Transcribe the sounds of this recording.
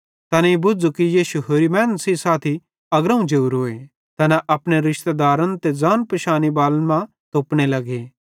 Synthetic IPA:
t̪ɐnɛibʊd͡zukijiːʃuɦoːɾimɛːnsisaːt̪ʰi | ɐɡɾɐ̃ũd͡ʒeuɾɦoːe | t̪ɐnɛʔɐpɽ̃eɾɪʃt̪ed̪aːɾənt̪ed͡zaːnpɐʃaːnibaːlmã | t̪oːpɽ̃elɐɡeː

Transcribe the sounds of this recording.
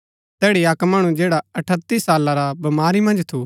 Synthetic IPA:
t̪ɛːɽiakmaːɽ̃ũd͡ʒeːɽaɐʈʰət̪ːisaːlaɾabɐmaːɾimɐ̃nd͡ʒt̪ʰu

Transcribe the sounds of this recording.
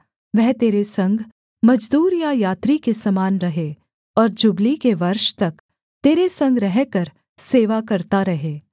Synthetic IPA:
ʋɛɦt̪eːɾesɐ̃ŋɡʱ | mɐd͡ʒd̪uːɾjajaːt̪ɾikesɐmaːnɾɐɦe | ɔːɾd͡ʒʊɡlikeʋɐɾʃt̪ɐk | t̪eːɾesɐ̃ŋɡɾɛɦkɐɾ | seːʋakɐɾt̪aɾɐɦeː

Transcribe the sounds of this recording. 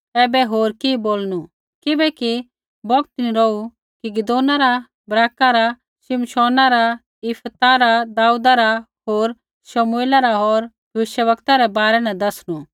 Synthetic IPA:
ɛːbɛɦoːɾkiboːlnu | kɪbɛki | bɔkt̪niɾɔu | kiɡɪd̪oːnaɾa | bɾaːkaɾa | ʃɪmʃɔːnaɾa | ɪpʰt̪aɾad̪aːud̪aɾa | ɦoːɾ | ʃɐmueːlaɾaɦɔːɾ | bɪʃjəʋɐkt̪aɾɛbaːɾɛnɛd̪ɐsñu

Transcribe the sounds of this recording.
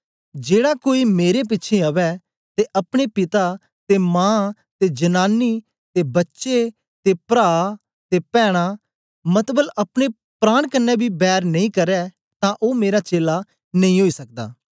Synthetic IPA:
d͡ʒeːɽaːkoːiːmeːɾep̬ɪtːʃʰeəʋɛː | t̪eʔəpɽ̃epɪt̪aː | t̪eːmãː | t̪eːd͡ʒənaːnːiː | t̪eːbətːʃe | t̪eːpɾaː | t̪eːpɛːɽ̃aː | mət̪bələpɽ̃e | pɾaːɽ̃kənːɛːbʱiːbɛːɾnəĩːkəɾɛː | t̪ãːʔoːmeːɾaːt͡ʃeːla | nəĩːɦoːiːsək̚d̪a̰ː

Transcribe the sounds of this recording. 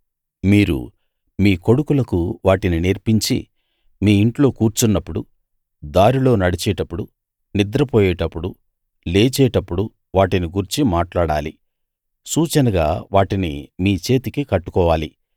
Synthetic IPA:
miːɾṵ | miːko̞ɽukulɐkuʋaːʈinineɾpiɲt͡ʃḭ | miːiɳʈlo̞ːkuːɾt͡ʃunːɐpːuɽu | d̪aːɾilo̞ːnɐɽit͡ʃɛːʈɐpːuɽu | nid̪ɾɐpɔːjɛːʈɐpːuɽu | leːt͡ʃɛːʈɐpːuɽu | ʋaːʈiniɡuɾt͡ʃimaːʈlaːɽaːli | suːt͡ʃɐnɐɡa̰ːʋaːʈinḭmiːt͡ʃe̞ːt̪ikikɐʈːu̥kɔːʋaːlḭ

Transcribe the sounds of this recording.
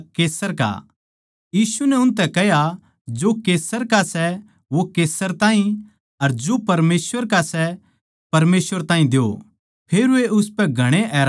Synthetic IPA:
keːsəɾka̰ | jiːsunɛʊnt̪ɛkɛɦja | d͡ʒokeːsəɾkasɛ | ʋokeːsəɾt̪ãːɦĩ | ɐɾd͡ʒopɐɾmeːsʋəɾkasɛ | pɐɾmeːsʋəɾt̪ãːɦĩd̪eo̰ | pʰeːɾʋeʔʊspɛ̃ɡʱɐɽ̃eʔɛːɾ

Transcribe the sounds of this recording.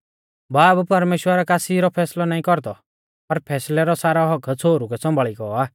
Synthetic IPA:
baːbpɐɾmeːʃwəɾakaːsiɾɔpʰɛːslɔnaːĩkɔɾd̪ɔ | pɐɾpʰɛːslɛɾɔsaːɾɔɦɔkʰt͡sʰoːɾukɛsɔ̃mbʱaɭiɡɔaː

